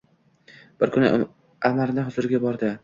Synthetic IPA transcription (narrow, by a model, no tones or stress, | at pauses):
b̥ɪɾkʰʊnɪ̰ | amaɾnɪɦʊzʊɾɪɡʲabɒɾd̪ɪ